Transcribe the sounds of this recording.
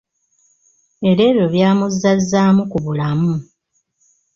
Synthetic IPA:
e̞ɾe̞ːβjo̞βjaːmuzːazːaːmukuβulamu

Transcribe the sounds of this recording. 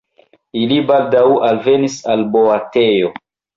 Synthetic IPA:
ilibaldawalvenisalboatejo

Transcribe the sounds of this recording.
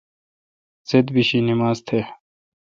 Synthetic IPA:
zed̪biɕinimaːzt̪ʰe

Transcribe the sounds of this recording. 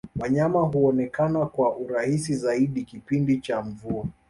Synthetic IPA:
waɲamaɦuɔnɛkanakwaʔuɾahisizaiɗikipindit͡ʃaɱvua

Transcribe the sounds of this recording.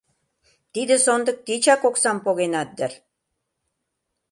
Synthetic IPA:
t̪id̪ɘ̆sond̪ɤ̆k̚t̪it͡ɕɑkoksɑmpoɣenɑt̪̚d̪ɘ̆r

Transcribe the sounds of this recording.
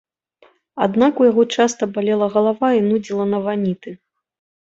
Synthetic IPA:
ad̪nakujaɣɔt͡ʂast̪ɐbalʲɛlˠɐɣɐlˠavainud͡zʲilˠɐnɐvanʲit̪ɨ

